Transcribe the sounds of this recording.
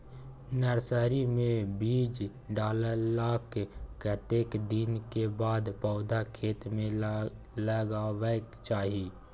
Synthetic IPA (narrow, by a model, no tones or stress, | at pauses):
nəɾsəɾimẽbiːd͡ʒ | ɖaːləɾlaːkːət̪eːkd̪ɪnkebaːd̪pɔʊd̪akʰeːt̪mẽ | ləɡawekt͡ʃaːɦiː